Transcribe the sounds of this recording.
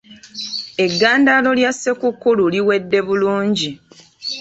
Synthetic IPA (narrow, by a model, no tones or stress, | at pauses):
e̞ɡːaːndaːlo̞ljasːe̞kukːululiwe̞dːe̞βuluːɲɟi